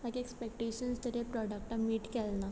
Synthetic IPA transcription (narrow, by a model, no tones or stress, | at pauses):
mãkiekspek̚ʈeɕənst̪əɾepɾɔɖək̚ʈamiːʈkɛlna